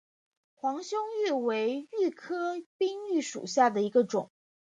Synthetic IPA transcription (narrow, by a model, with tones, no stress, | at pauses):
xwɑ˧˥ŋɕjʊ˥ŋy˥˩we˧˥ɪy˥˩kʰɤ˥pi˥ŋy˥˩ʂṵ˨˩ɕja˥˩d̪ə˩i˧˥ɡə˧ʈ͡ʂʊ˨˩˦ŋ